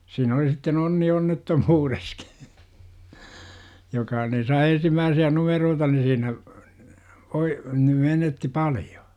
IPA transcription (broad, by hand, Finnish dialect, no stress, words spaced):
siːn oli sitːen onːi onːetːomuːreski̥ jokɑ ni sɑi ensimːæːsiæ numeroːtɑ ni siːnæ ʋoi ni menetːi pɑlj̊o̥